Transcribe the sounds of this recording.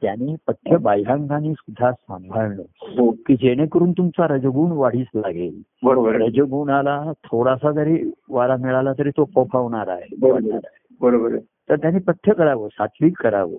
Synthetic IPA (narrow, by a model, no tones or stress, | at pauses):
t̪jañiːpət̪ʰːjəbajɦãŋkaniːsud̪ʱːasãmbʱaɭloɦokiːd͡ʑeɽ̃ekəɾuːnt̪umt͡saɾəd͡zəɡuːɳʋaɽ̤iːsla̰ɡelbəɾobəɾɾəd͡zəɡuːɳalat̪ʰoɾasad͡z̪əɾiʋaɾamiɭalat̪əɾiːt̪opɔpʰaʋɳaɾa̰ɦeəaɾaebəɾobəɾ | t̪əɾt̪janiːpət̪ʰːjəkəɾaʋosat̪ʰliːkːəɾa̰ʋo̰